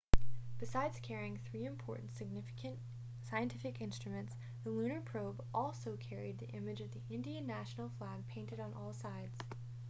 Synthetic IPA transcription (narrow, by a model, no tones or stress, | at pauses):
b̥ɨsaɪdz̥kʰɛɹiɪ̃ŋθɹiɨ̃mpʰɔɹʔn̩tsɨɡ̚nɪ | ɨ̃n | saɪɨ̃ntʰɪfɨkɪ̃nstɹ̥ɨmɨ̃nts | ðəlʉ̃ñə˞pʰɹ̥oʊbʔɔlˠsoʊkʰɛɹid̪̚ðḭʔɪ̃mɨd͡ʒʌvðiʔɪ̃ndiɨ̃nːæʃn̩l̩ˠflæɡ̚pʰẽɪ̃ntɨɾn̩ʔɔlˠsaɪdz̥